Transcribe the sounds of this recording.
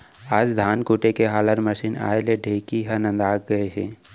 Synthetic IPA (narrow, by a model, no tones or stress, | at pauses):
aːd͡ʒd̪ʱaːnkuːʈekeɦaːləɾməʃiːna̰ːeleɖʱeːkiɦənə̃nd̪aːk̚ɡɐeɦɛː